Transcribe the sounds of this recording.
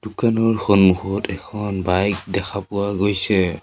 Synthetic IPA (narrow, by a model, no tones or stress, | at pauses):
d̥ukanɔɹxonmuhɔtɛkʰɔnbajk̚dɛkʰapʊwaɡojsɛ